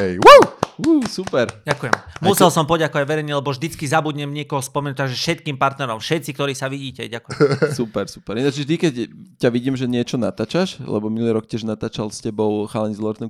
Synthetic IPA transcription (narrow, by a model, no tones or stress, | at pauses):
wuwusupɛɾɟakujɛmmusɛlsɔmpɔɟakɔʋaɟʋɛɾɛɲɛlɛbɔvʒd̪it͡skizabuɟɲɛmɲɪɛkɔɦɔspɔmɛnut̪̚aɡʒɛfʃɛt̪̚kiːmpaɾt̪nɛɾɔmfʃɛt̪t͡sikt̪ɔɾiːsaʋiɟiːcɛ̰ɟakujɛmsupɛɾsu̥pɛɾinad͡ʒʒɛʒt̪ikɛccaʋiɟiːmʒɛɲɪɛt͡ʃɔnat̪aːt͡ʃaʃlɛ̰bɔminuliɾɔk̚cʲɪɛʒnat̪aːt͡ʃalscɛbɔʊxalɛɲzlˠɔɾt̪n